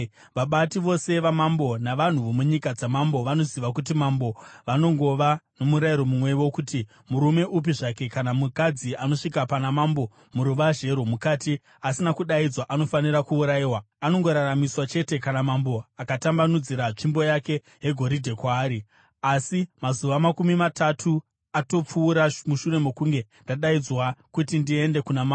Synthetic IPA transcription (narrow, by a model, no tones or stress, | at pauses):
ʋaɓatiʋo̞se̞ʋamambo̞naʋan̤uʋomuɲikad͡zamambo̞ʋano̞ziʋakut̬imambo̞ʋano̞ŋɡo̞ʋano̞muɾaiɾo̞mumwe̞ʋo̞kuti | muɾume̞ʔup̬iʐake̞kanamukad͡ziano̞ʂikapanamambo̞ | muɾuʋaʒe̞ɾomukati | asinakuɗaid͡zwaʔano̞faniɾakuːɾaiːwa | ano̞ŋɡo̞ɾaramiswat͡ʃe̞te̞kanamambo̞akatambanud͡ziɾat͡ʂimbo̞jake̞ | ɦe̞ɡʱo̞ɾidʱe̞kwaːɾi | asimazuʋamakumimatatʰu | ato̞p͡fuːɾamuʃure̞mekuŋɡe̞ndaɗaid͡zwakutindie̞nde̞kunama